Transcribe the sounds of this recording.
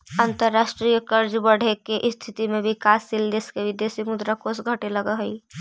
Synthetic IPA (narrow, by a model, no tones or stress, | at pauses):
ənt̪əɾːasʈɾijəkəɾd͡ʒbəɽ̤ekeʔst̪ʰit̪imẽbʱikaːsːild̪eskeʋɪd̪esimud̪ɾakosɡʱəʈeləɡəɦəi